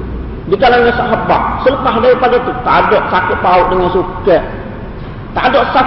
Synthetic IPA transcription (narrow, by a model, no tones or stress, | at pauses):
bikalaŋɲasaɦaba̰ʔsələpaɦdaipaɡet̪ut̪adɔʔsakɪʔpaʊʔ̚dəŋansukəʔ | t̪a̰dɔʔsa